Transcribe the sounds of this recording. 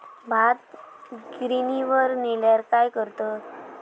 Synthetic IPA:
bʱat̪̚ɡɾiniʋəɾneljaɾkajkəɾt̪ɔt̪

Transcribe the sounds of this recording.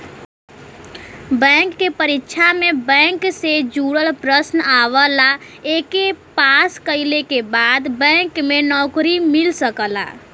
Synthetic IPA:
bɛ̃ŋkːepəɾitːʃʰamebɛ̃ŋksed͡ʒuɽəlpɾəsnaʋəlaekepaskəɪlekebaːd̪bɛ̃ŋkmenɔkɾimilsəkəla̰

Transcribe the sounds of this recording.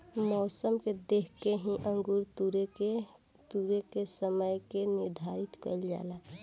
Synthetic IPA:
mɔːsəmked̪ekʰkeɦĩʔə̃ŋɡuɾt̪uɾee | t̪uɾekesəməjkenɪɾd̪ʱaɾit̪kə̰ld͡ʒa̰ːla

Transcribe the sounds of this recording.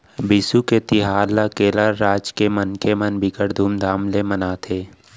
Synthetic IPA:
bɪsuket̪ɪɦaːɾlakeːləɾːaːd͡ʒkemənkemənbʱɪkəɽd̪ʱuːmd̪ʱaːmlemənaːt̪ʰeː

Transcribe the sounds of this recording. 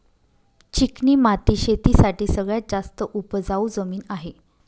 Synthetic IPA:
t͡ɕikniːmat̪iɕet̪isaʈiːsəɡɭjad͡zast̪əʔupd͡zaud͡zəmiːnaɦe

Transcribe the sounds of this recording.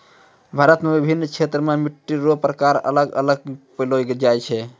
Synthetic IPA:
bʱaɾət̪mebibʱinːt͡ʃʰet̪ɾəmemiʈːiɾopɾəkaɾə̰ləɡə̰ləɡ̚pəlojɡed͡ʒajt͡ʃʰɛ

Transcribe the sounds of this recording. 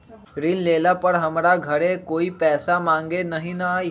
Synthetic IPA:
ɾinleːlapəɽɦəmɾaɡʱəɽekoːiːpɛːsamãŋɡenəɦinəa

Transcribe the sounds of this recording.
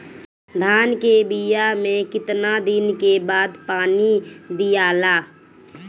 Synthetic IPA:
d̪ʱaːnkebijamẽkɪt̪nad̪ɪnkebaːd̪paːnid̪ijaːlaː

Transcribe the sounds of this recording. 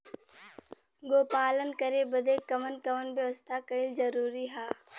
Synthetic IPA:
ɡoːpaːlənkəɾebɐd̪eːkɐmənkɐmənbjɐʋəst̪ʰakɐɪlzɐɾuːɾiɦaː

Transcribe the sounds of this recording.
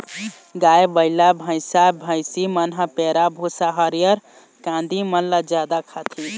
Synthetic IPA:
ɡajbəɪlabʱə̃ɪsabʱə̃jsimənɦəpeɾabʱusaɦəɾijəɾ | kãnd̪imənlad͡ʒjad̪akʰat̪ʰi

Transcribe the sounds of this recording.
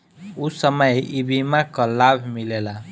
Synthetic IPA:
usəməjibimakɔlabʱmilela

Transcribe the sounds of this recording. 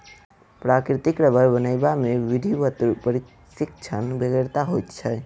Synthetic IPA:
pɾakɾit̪ikɾəbəɾbənəɪbameʋid̪ʱiʋət̪ɾpəɾik | sikt͡ʃʰənbeɡəɾt̪aɦot̪t͡ʃʰɛ

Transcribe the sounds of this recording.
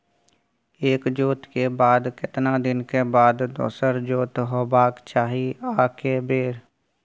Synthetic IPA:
eːkd͡ʒoːt̪keːbaːd̪kɪt̪nãːd̪ɪnkeːbaːd̪d̪o̰ːsəɾd͡ʒoːt̪ɦoːbaːkt͡ʃaːɦiːaːkeːbeːɾ

